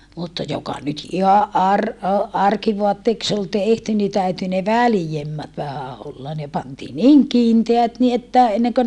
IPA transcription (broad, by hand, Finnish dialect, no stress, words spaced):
mutːɑ jokɑ nyt ihɑʔ ʔɑr o ɑrkiʋoɑtːeːks ol tehty ni tæyty ne ʋælĭjemːæt ʋæhæ olːɑ ne pɑntiː niːŋ kiːnteæt ni etːæ enːeŋkø